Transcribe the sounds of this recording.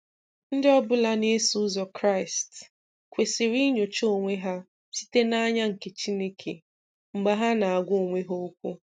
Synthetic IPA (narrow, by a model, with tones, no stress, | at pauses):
n̩˦dɪ˦ɔ˦bʊ˦la˦ne˦su˦zɔ˨kɾa˦˨ɪ˨st | kʷe˨sɪ˨ɾi˦ɲo˨t͡ʃo˦o˨ŋʷe˦ɦa˦ | si̥˦te˦na˦ɲa˦ŋ̩˨ke˨t͡ʃi˦ne˦kʰḛ˨ | ŋ͡m̩˨ɡ͡ba˦ɦa˦na˨a˨ɡʷʊ˦o˨ŋʷe˦ɦo˦o˦kʷu˦